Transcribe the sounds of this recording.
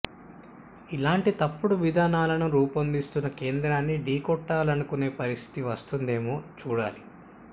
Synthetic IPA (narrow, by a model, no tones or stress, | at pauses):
ilaːɳʈit̪ɐpːuɽuʋid̪ʱaːnaːlɐnuɾuːpɐnd̪ist̪unːɐke̞ːnd̪ɾaːnːiɖiːkɔʈːaːlɐnukune̞ːpɐɾist̪ʰi̥t̪iʋɐst̪und̪e̞ːmoːt͡ʃuːɽaːli